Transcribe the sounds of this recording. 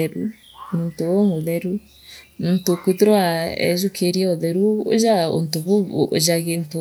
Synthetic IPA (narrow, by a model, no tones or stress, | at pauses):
ɛɾu | muntooŋoðɛɾu | montokuðeɾwaɛ̰zukʰeɾiɛɔðɛɾuo̰zao̰ntoβo̰zaɣento